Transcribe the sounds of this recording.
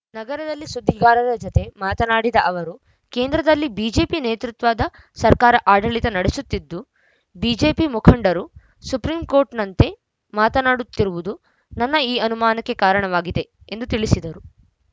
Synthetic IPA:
nɐɡɐɾɐd̪ɐlːisud̪ʱːiɡaːɾɐɾɐd͡ʒɔt̪e̞maːt̪ɐnaːɽid̪ɐʔɐʋɐɾu | keːnd̪ɾɐd̪ɐlːibiːd͡ʒe̞ːpineːt̪ɾut̪ʋaːd̪ɐ | sɐɾkaːɾɐʔaːɖɐɭit̪ɐnɐɽesut̪ːid̪ːu | biːd͡ʒe̞ːpimukʰɐɳɖɐɾu | supɾiːmko̞ːɾʈnɐnt̪e̞ | maːt̪ɐnaːɽut̪ːiɾuʋud̪u | nɐnːɐiːɐnumaːnɐkːe̞kaːɾɐɳɐʋaːɡid̪e̞ | end̪ut̪iɭisid̪ɐɾu

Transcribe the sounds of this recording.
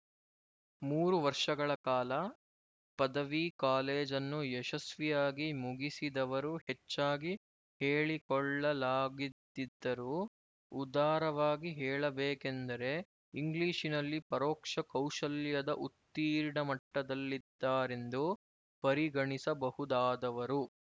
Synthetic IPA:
muːɾuʋɐɾʂɐɡɐɭɐkaːlɐ | pɐd̪ɐʋikaːleːd͡ʒɐnːuɛʃɐsʋijaːɡimuɡisid̪ɐʋɐɾuhet͡ʃːaːɡi | heːɭikɔɭːɐlaːɡid̪id̪ːɐɾu | ud̪aːɾɐʋaːɡiɦɛːɭɐbɛːkend̪ɐɾe̞ | iŋɡliːʃinɐlːipɐɾɔːkʂɐkɐwʂɐljɐd̪ɐʔut̪ːiːɾɳɐmɐʈːɐd̪ɐlːid̪ːaːɾe̞nd̪u | pɐɾiɡɐɳisɐbɐhud̪aːd̪ɐʋɐɾu

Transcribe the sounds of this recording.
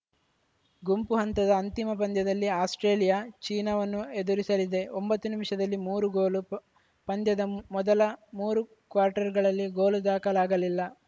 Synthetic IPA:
ɡumpuɦɐnt̪ɐd̪ɐːnt̪imɐp̬ɐnd̪jɐd̪ɐlːiaːsʈɾe̞ːlijat͡ʃiːnɐʋɐnːued̪uɾisɐlid̪e̞ombɐt̪ːunimʂɐd̪ɐlːimuːɾuɡoːlu | pɐnd̪jɐd̪ɐmɔd̪ɐlɐmuːɾu | kʋaːɾʈɐɾɡɐɭɐlːiɡoːlud̪aːkɐlaːɡɐlilːɐ

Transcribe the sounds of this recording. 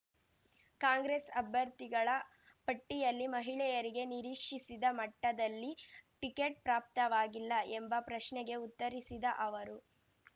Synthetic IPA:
kaːŋɡɾesɐbʱjɐɾt̪iɡɐɭɐ | pɐʈːijɐlːimɐɦiɭɛjɐɾiɡe̞niɾiːkʂisid̪ɐmɐʈːɐd̪ɐlːiʈikeʈ̚pɾaːp̚t̪ɐʋaːɡilːɐʔembɐpɾɐʃɳɛɡe̞ut̪ːɐɾisid̪ɐʔɐʋɐɾu

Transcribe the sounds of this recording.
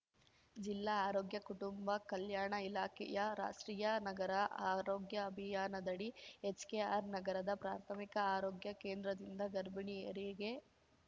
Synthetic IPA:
d͡ʒilːaaːɾoːɡjɐkuʈumbɐkɐljaːɳɐilaːkʰɛ̰jɐɾa̰ːʂʈɾiːjɐnɐɡɐɾɐaːɾo̞ːɡjɐːbʱijaːnɐd̪ɐɽiet͡ʃkeːaːɾnɐɡɐɾɐd̪ɐpɾa̰ːɾt̪ʰɐmikɐaːɾoːɡjɐkeːnd̪ɾɐd̪ind̪ɐɡɐɾbɐɳieɾiɡe

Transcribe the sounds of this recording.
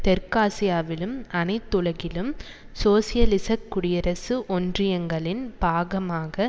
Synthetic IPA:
t̪ɛɾkaːsɪjaːʋɪlɯmɐnɐɪt̪ːɯɻɐɣɪlɯm | soːsɪjɐlɪsɐkːʊɽɪjɐɾɐsɯʔɔndrɪjɐŋɡɐɭɪnb̥aːɣɐmaːɣɐ

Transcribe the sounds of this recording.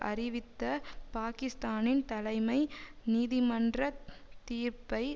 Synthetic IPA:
ʔɐrɪʋɪt̪ːɐpaːkɪst̪aːnɪnt̪ɐlɐɪmɐɪniːðɪmɐndrɐt̪iːɾpɐɪ

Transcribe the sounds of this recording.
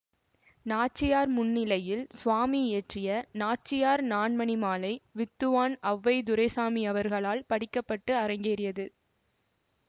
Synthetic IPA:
naːt͡ʃːɪjaːɾmʊnːɪlɐjɪlsʊʋaːmiɪjɐʈrɪjɐnaːt͡ʃːɪjaːɾnaːɳmɐnɪmaːlɐɪʋɪt̪ːɯʋaːnɐʋːɐɪd̪ʊɾɐɪsaːmɪɐʋɐɾɣɐɭaːlpɐɽɪkːɐpːɐʈːɯɐɾɐɪŋɡeːɾɪjɐðɯ

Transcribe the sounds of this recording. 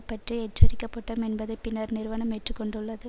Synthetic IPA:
pːɐʈriɛʈːɐɾɪkːɐpːɐʈːɐmɛnbɐðɐɪpɪnːɐɾnɪɾɯʋɐnɐmɛʈrɯkːɔɳɖɯɭːɐðɯ

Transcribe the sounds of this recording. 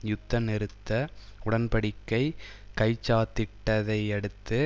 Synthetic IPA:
jʊt̪ːɐnɛɾɯt̪ːɐʊɽɐnpɐɽɪkːɐɪkɐɪt͡ʃːaːt̪ːɪʈːɐðɐɪɛɽɯt̪ːɯ

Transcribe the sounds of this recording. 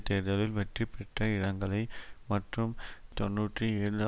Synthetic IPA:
t̪ːeːɾðɐlɪlʋɛʈripːɛʈːɐɪɻɐŋɡɐɭɐɪmɐʈrɯmt̪ɔnːuːʈrɯeːɻɯɐ

